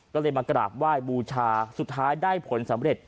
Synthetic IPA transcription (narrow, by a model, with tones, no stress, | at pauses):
kɔː˥˩lɤː˧jmaː˧kɾa̰ː˨˩p̚waː˥˩jbuː˧t͡ɕʰaː˧su˨˩t̪ʰːaː˦˥jdaː˥˩jpʰo˩˦nsa˩˦mɾe˨˩t̪̚